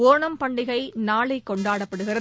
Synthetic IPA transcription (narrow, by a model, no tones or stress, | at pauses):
oːɳɐmpɐɳɖɪɣɐɪnaːɭɐɪkːɔɳɖaːɽɐpːɐɽɯɣɪrɐ